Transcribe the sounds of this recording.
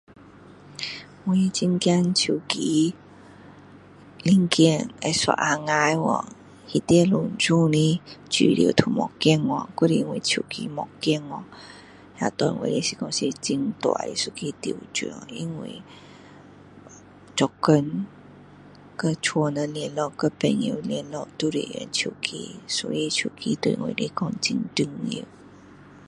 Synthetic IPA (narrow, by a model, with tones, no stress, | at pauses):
wi˧˩t͡ɕi˧ŋkja˧nt͡ɕʰu˨˩ki˧˦ | li˧ŋki˥˧˨ŋe˧swa̰˧ʔa˧ŋa˧jwɔ̰˨˩ŋ | hi˧t̪ɛ˧lu˨˩nt͡su˥˧˨nĩ˧t͡ɕḭ˨lḭ˧˨˩t̪ʰu˨˩mɔ̰˨˩ki˥˧˨ŋɔ˨˩ku˧˦ɾi˧ŋwi˧t͡ɕʰu˨˩kḭ˧˦mɔ˨kːi˥˧˨ŋɔ˧ | hja̰˧˩t̪wa˨˧˨nwḛ˧˨li˧˦si˨˧˩kɔ˧ŋsi˧t͡ɕi˧ŋt̪wa̰˨˧˨ḭ˨˦su˧kʰi˧t̪i˨wt͡ɕu˨i˧ŋwḭ˧˨ | t͡ɕɔ˧kːə˧n | kə˦t͡ɕʰwɔ˧nə˧lɛ˧nlɔ˧˨kə˦pɛ˧ŋi˧˨ljɛ˧nlɔ˧ʔt̪u˦ɾḛ˨jɛ̰˧˨nt͡ɕʰu˨˩kʰḭ˧sɔ̰˧˦i˧t͡ɕʰu˨˩kʰi˧t̪wḛ˧˨ŋwḭ˨le˧˦kɔ˧ŋt͡ɕi˧ŋt̪i˧ŋḭ˧˨